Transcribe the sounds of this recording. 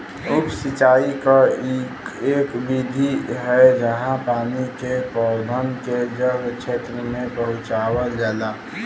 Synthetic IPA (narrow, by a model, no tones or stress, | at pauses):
ʊpsɪt͡ʃaːika | eːkbid̪ʱiɦɛd͡ʒəɦãpaːnikepɔːbʱənked͡ʒəbt͡ʃʰeːt̪ɾəmẽpəɦʊ̃t͡ʃaːwəd͡ʒaːlaː